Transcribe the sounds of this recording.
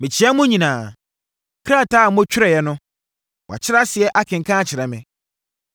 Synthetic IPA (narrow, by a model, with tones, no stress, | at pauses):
mɪ̃˨t͡ɕʰɪ˨˦ɛ˦mʊ̃˦ɲĩ˨nãː˨ | kʰɾa˦˨taː˦˨mʊ̃˦t͡ɕᶣɪ˦ɾɛ˨jɛ˦nʊ̃˦ | wʔa̰˨t͡ɕʰɪ˦ɾa˦sɪ˨ɛ˦ʔa˦kʰɪ̃˨ŋ̩˨kʰã˦t͡ɕʰɪ˨ɾɛ˨mɪ̰̃˦